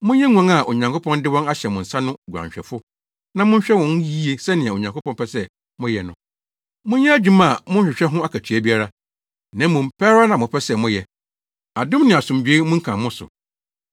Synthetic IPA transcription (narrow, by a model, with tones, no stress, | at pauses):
mʊ̃˦ɛ˦ŋʷ˨ã˨˦ŋa˨ʔo˨ɲã˨ŋkʰo˦pʰɔ̃˦ndɪ˦wɔ̃˦na˦ɕɛ˨mʊ̃˨n̩˨sa˦nʊ̃˦ɡɾã̰˨ɲɕᶣɛ̰˨fʊ˦ | nã˦mʊ̃˦ɲ˦ɕᶣɛ˦wɔ̃˨n˦ji˦e˦sɛ˦nɪ̃˨a˨o˨ɲã˨ŋkʰo˦pʰɔ̃˦npɛ˦sɛ˦ | mʊ̃˦jɛ˨nʊ̃˨ | mʊ̃˦ɲjɛ˦æ˦d͡ʑᶣu˦mã˦˨mʊ̃˦ɲ̩ɕᶣɪ˨ɕᶣɛ˦ɦʊ̃˦a˦kʰa˨tʰɥæ˦bi˦a˦ɾa˦ | nã˨˦mʊ̃˨m̩˨pʰɛ˦ɾa˦nã˨mʊ̃˨pʰɛ˦sɛ˦mʊ̃˦jɛ˨ | a˨dʊ̃˦mnɪ̃˨a˨sʊ̃˨md͡ʑᶣe˦mʊ̃˦ŋ̩˦kʰã˨mʊ̃˦sʊ̰˨